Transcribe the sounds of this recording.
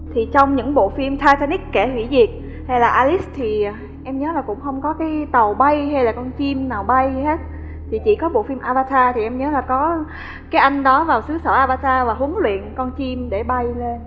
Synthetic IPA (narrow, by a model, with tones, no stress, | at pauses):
t̪ʰi˨˩t͡ɕɔ˧wŋ͡mɲɨ̰˧˥ŋɓo̰˧˨fi˧mt̪ʰaː˧t̪a˧ni˦˥k̚kːɛ˧˩hwḭ˧˩zi˨˩ət̚ | ha˧jlaː˨˩ʔaː˧li˦˥st̪ʰi˨˩ | ʔɛ˧mɲəː˨˦laː˨˩kʊ̰˧˥ŋ͡mxə˧wŋ͡mkɔ˨˦kaː˨˦jt̪ə˨˩wɓa˧jɦa˧jlaː˨˩kɔ˧nt͡ɕi˧mnaː˨˩wɓa˧jhe˦˥t̚ | t̪ʰi˨˩t͡ɕḭ˧˩kɔ˨˦ɓo̰˧˨fi˧mʔaː˧ɓaː˧t̪ʰaː˧t̪ʰi˨˩ʔɛ˧mɲəː˨˦laː˨˩kɔ˨˦ | kaː˨˦jʔa˧jŋ̟ɗɔ˨˦vaː˨˩wsɨ˨˦səː˧˩ʔaː˧ɓaː˧t̪ʰaː˧vaː˨˩ɦu˨˦əŋlwḭ˧˨ənkɔ˧nt͡ɕi˧mɗe˧˩ɓa˧jle˧n